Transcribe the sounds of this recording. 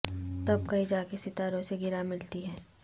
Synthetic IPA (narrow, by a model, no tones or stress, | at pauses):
t̪ɐbkɐɦĩd͡ʒaːkesɪt̪aːɾõseɡɪɾamɪlt̪iɦɛː